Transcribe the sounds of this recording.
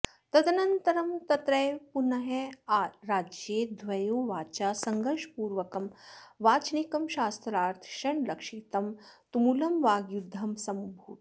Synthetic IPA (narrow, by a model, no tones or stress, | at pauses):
t̪ɐd̪ɐnɐnt̪ɐɾɐmt̪ɐt̪ɾɐjpunɐɦeaːɾaːd͡ʒjeːd̪ʱʋɐjoːʋaːt͡ʃaːsɐŋɡɐɾʃpuːɾʋɐkɐmʋaːt͡ʃnikɐmʃaːst̪ɾaːɾt̪ʰʃɐɳlɐkʂʃit̪ɐmt̪umulɐmʋaːɡjud̪ʱːɐmsɐmbʱuːt̪